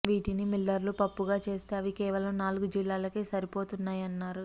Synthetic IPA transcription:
ʋiːʈinimilːɐɾlupɐpːuɡaːt͡ʃeːst̪aːʋikɛːʋɐlɐmnaːluɡud͡ʒilːaːlɐkeːsɐɾipo̞ːt̪unːaːjɐnːaːɾu

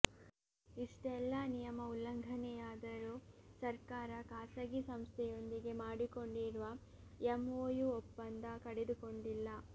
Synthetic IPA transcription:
iʂʈɛlːɐnijɐmɐulːɐŋɡʱɐnɛjaːd̪ɐɾusɐɾkaːɾɐkaːsɐɡisɐmst̪ʰɛjo̞nd̪iɡe̞maːɽiko̞ɳɖiɾʋɐ | emoːjuɔpːɐnd̪ɐkɐɽe̞d̪uko̞ɳɖilːɐ

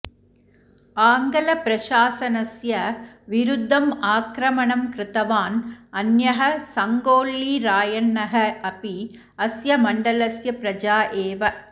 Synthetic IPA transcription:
aːŋɡɐlɐpɾɐʃaːsɐnɐsjɐʋɪɾʊd̪ʱːɐmaːkɾɐmɐɳɐmkɾɪt̪ɐʋaːnɐnjɐɦɐsɐŋɡoːɭːiɾaːjɐɳːɐɦɐɐpi | ɐsjɐmɐɳɖɐlɐsjɐpɾɐd͡ʒaːʔeːʋɐ

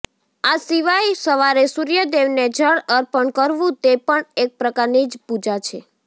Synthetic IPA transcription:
asiʋajsəʋaɾesuɾijəd̪eʋned͡ʒʱəɭəɾpəɳkəɾʋũt̪epəɳek̚pɾəkaɾnid͡ʒpud͡ʒat͡ʃʰe

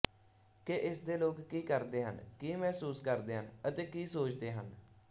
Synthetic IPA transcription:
keʔɪsd̪eːloːkːiːkəɾd̪eːɦə̰nkiːmɛːsuːskəɾd̪eːɦənət̪eːkiːsoːt͡ʃd̪eːɦə̰n

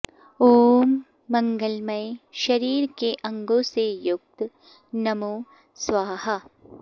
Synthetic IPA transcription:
oːmː | ɐ̃ŋɡəlmɐjʃɐɾiːɾkeʔɐ̃ŋɡõsejʊk̚t̪ | nɐmoː | sʋaːɦɐ

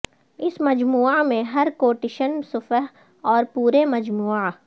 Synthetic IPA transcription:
ɪsmɐd͡ʒmuːamẽɦɐɾkoːʈɪʃənsʊfəɦ | ɔːɾpuːɾemɐd͡ʒmuːa

